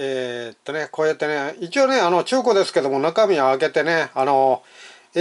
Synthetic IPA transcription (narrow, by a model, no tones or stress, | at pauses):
eːt̪ːo̞ne̞ko̞ːjat̪ːe̞neit͡ɕio̞ːne̞ano̞t͡ɕɨːko̞d̪e̞sɨ̥ke̞d̪o̞mo̞nakamʲiaake̞t̪e̞ne̞ano̞